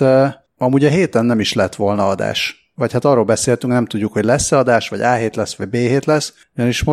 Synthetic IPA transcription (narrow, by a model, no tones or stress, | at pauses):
ɒmuːɟɒɦeːt̪ɛnːɛmiʃlɛɛt̪ʋo̞lnɒɒd̪a̰ːʃ | vɒchat̪ɒːroːlbɛseːlt̪yŋknɛmt̪uɟːukho̞ɟlɛsːɛɒd̪aːʃʋɒ̰ɟaːɦeːt̪lɛsʋɒɟ̚beːɦeːt̪lɛs | uɟɒniʃmo